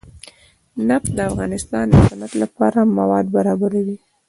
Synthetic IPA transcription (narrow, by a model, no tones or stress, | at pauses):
napsd̪əafɣɑnɪst̪ɑnd̪əsanat̪lapɑɾamːawɑd̪̚baɾɑbaɾawi